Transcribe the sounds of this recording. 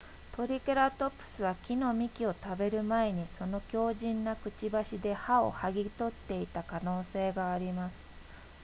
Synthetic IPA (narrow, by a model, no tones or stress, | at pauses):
t̪o̞ɾʲikeɾat̪o̞pːɯ̥sɨβakʲino̞mʲikʲio̞t̪abe̞ɾɯ̟mae̞ɲ̟iso̞no̞kʲo̞ːʑĩnːakɯ̟t͡ɕibaɕid̪e̞hao̞̰haɡʲit̪o̞t̪ːe̞it̪akano̞ːse̞ːɡaːɾʲimasɨ̥